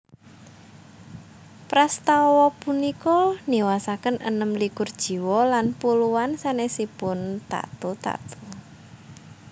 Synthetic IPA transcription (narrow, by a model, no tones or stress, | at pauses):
pɾast̪awɔpunikɔniwasakənə̰nəmlikʊrd̥ʒ̥i̤wɔlanpuluwansanehsipʊnt̪a̰t̪ut̪a̰t̪u̥